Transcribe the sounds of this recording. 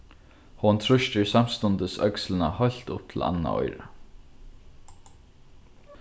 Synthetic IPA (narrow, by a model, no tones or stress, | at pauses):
hɔnt̪ʰɾʊʃt̪ɪɹsam̥st̪ʊnt̪əsœkslɪna̰hɔjl̥t̪ʊp̚t̪ʰɪla̰nːa̰ɔ̰jɾa